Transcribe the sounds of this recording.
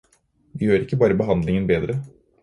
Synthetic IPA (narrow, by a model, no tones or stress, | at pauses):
ʋɪjøːɾɪkːəbɑːɾəbəɦɑnd̪lɪŋənbeːd̪ɾə